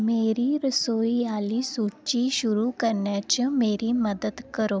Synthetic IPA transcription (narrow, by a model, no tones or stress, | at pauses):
meɾiːɾəsoialiːsut͡ɕiɕuɾukəɾɳjat͡ɕəmeɾiːməd̪əd̪kəɾo